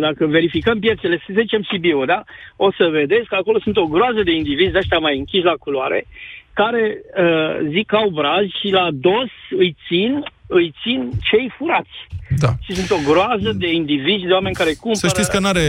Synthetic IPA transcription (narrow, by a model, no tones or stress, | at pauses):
d̪akəve̞ɾifikəmpje̞t̪se̞le̞ss̬əzit͡ʃe̞msibiud̪ao̞səve̞d̪e̞skako̞lo̞sunt̪o̞ɡɾoazəd̪e̞ind̪ivizʲd̪eaʃt̪ʲamajɨŋkʲiʃlakuloaɾe̞̰kaɾe̞əzikawbɾazʲʃilad̪o̞sɨjt̪sinɨjt̪sint͡ʃe̞jfuɾat̪sʲd̪aʃisunt̪o̞ɡɾoazəd̪e̞ind̪ivizʲd̪e̞oame̞nʲkaɾe̞kumsəʃtitsʲkənaɾe